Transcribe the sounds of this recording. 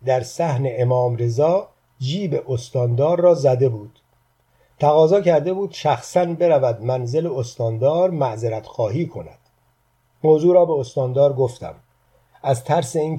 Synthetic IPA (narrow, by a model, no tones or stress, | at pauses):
d̪æɾsæhne̞ʔemɒːmɾe̞zɒː | d͡ʒiːbe̞ʔost̪ɒːnd̪ɒːɾːɒːzæd̪e̞buːd̪̥ | t̪ʰæɣɒːzɒːcʰæɾd̪e̞buːd̪̥ʃæxsænbe̞ɾævæd̪mænzeleost̪ɒːnd̪ɒːɾmæʔzeɾæt̪xɒːɦiːkʰo̞næ̰d̪̥ | moːzuːɾɒːbe̞ost̪ɒːnd̪ɒːɾɡo̞ft̪æ̰m | æzt̪ʰæɾse̞iːn